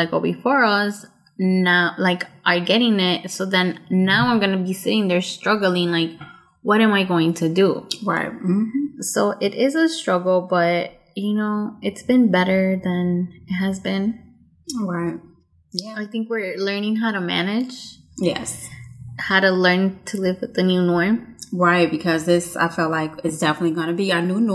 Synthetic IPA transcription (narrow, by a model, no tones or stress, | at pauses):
aɪkɔ̰bifɔɹʌs | naʊlaɪkʔə˞ɡɛɾɪ̃ŋɪt̚soʊðɨ̃nːaʊãɪ̃mɡʌnɨbisɪɾɪ̃ŋðə˞stɹ̥ʌɡl̩ˠɪ̃ŋlaɪk | wʌɾɨ̃maɪɡoʊɪ̃ŋtʰɨduɹa̰ɪt̚soʊʔɪɾɪzəstɹ̥ʌɡl̩ˠbʌt̚ | jɨnoʊɪtsb̥ɨ̃nbɛɾə˞ðɨ̃nɪt̚ɦɨzbɪ̃n | ɹaɪt̚ | jæaɪθɪ̃ŋkwɪɹlɜ̃˞nɪ̃ŋɦaʊɾəmæ̰nɪd̥ʒ̥jɛ̰shaʊɾɨlɜ̃˞ntʰɨlɪvɨðɨnʉnɔɹmɹaɪt̚b̥ɨkʰʌzðɪsa̰ɪfɛlˠtlaɪkɪtsd̥ɛfənɨtˡliɡʌnɨbiɨnun